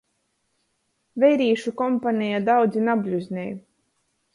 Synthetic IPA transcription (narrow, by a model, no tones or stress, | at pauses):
vʲɛjɾiːʃukɔmpanʲijad̪awd̪zinabʲlʲuzʲnʲɛj